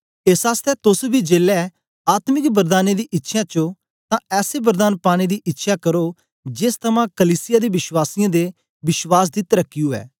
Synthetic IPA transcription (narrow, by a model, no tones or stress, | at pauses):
ɪsaːst̪ɛːt̪ʊsbiːd͡ʒeːlɛː | aːt̪mɪkbəɾd̪aːneːd̪iːʔɪtːʃʰjãːt͡ʃo | t̪ãːɛːseːbəɾd̪aːnpaːɽ̃eːd̪iːʔɪtːʃʰaːkəɾoː | d͡ʒɪst̪ʰəmãːkəliːsɪjaːd̪iːʋɪʃwaːsɪjãːd̪eː | bɪʃwaːs̬d̪iːt̪əɾəkːiuːɛ̰ː